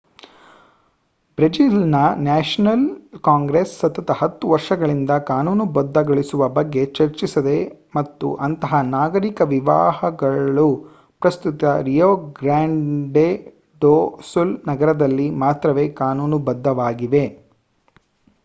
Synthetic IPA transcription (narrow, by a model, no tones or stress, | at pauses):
bɾed͡ʒilnɐnaːʂɐnɐlkaːŋɡɾesːɐt̪ɐt̪ɐhɐt̪ːuʋɐɾʂɐɡɐɭind̪ɐkaːnuːnubɐd̪ʱːɐɡɐɭisuʋɐbɐɡːe̞t͡ʃɐɾt͡ʃisɐd̪e̞mɐt̪ːṵʔɐnt̪ɐɦɐnaːɡɐɾikɐʋiʋa̰ːɦɐɡɐɭu | pɾɐst̪ut̪ɐɾijoːɡɾaːɳɖe | ɖoːsulnɐɡɐɾɐd̪ɐlːimaːt̪ɾɐʋeːkaːnuːnubɐd̪ʱːɐʋaːɡiʋe̞